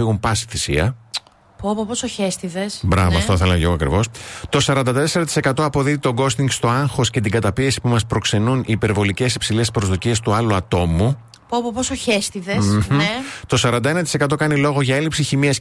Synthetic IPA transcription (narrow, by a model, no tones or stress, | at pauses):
iɣumpɐsiθisḭɐ | popoposoçest̪iðesbɾɐvoɐ̰fft̪oθelɐʝooɐkɾḭvo̞st̪o̞sɐɾɐnd̪ɐt̪e̞se̞ɾɐt̪i̥se̞kɐt̪o̞ɐpo̞ðiðit̪o̞ɡo̞st̪iŋɡst̪o̞ɐŋxo̞sce̞t̪̬iɡɐt̪ɐpie̞si̥pumɐspɾo̞kse̞nuniːpe̞ɾvo̞lice̞sipsile̞spɾo̞zðocie̞st̪uɐluɐt̪o̞mu | popoposoçest̪iðes̩ | t̪o̞sɐɾɐnd̪ɐe̞nɐt̪i̥se̞kɐt̪o̞kɐnilo̞ɣo̞ʝɐe̞lipsiçimiɐs